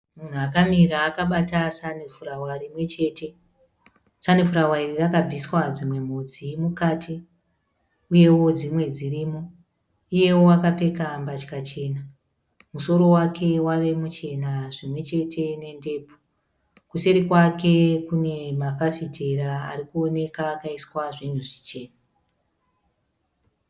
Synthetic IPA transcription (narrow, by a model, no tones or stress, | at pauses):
mun̤uakamiɾaːkaɓatasanifuɾawarimwe̞t͡ʃe̞ːte̞ | sanifuɾawairirakab͡viswad͡zimwe̞m̤od͡zimukaːti | uje̞wo̞d͡zimwe̞d͡ziriːmo | uje̞wowakape̞kambat͡ʃi̥kat͡ʃe̞ːna | muso̞ɾo̞wakʰe̞waʋe̞mut͡ʃe̞naʐimwe̞t͡ʃe̞tʰe̞ne̞nde̞ːpu̥ | kuseɾikwake̞kune̞mafafitʰeraaɾikuone̞kaːkaiswaʐin̤uʐit͡ʃe̞ːna